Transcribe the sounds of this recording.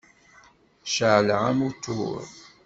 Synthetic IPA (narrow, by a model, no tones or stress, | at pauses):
ʃəʕlʕamut̪ːṵɾ